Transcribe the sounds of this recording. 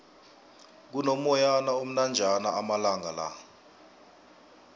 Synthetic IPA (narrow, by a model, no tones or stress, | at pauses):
k̬unomɔjanaom̩nand͡ʒʱanaamalaŋala̰